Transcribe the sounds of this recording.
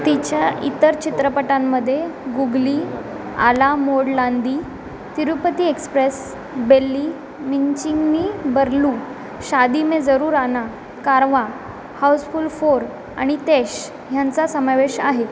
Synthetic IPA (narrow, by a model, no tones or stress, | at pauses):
t̪it͡ɕjaḭt̪əɾt͡ɕit̪ɾəpəʈamːəd̪ʱːjeɡuɡli | a̰lamoɽland̪iː | t̪iɾupət̪iːekspɾes | belːi | miɲt͡ɕiŋɡniːbəɾlu | ɕad̪imed͡zəɾuːɾana | kaɾʋa | hawsfulfoɾ | a̰ɽ̃it̪eɕ | ɦjant͡sasəmaʋeɕaɦe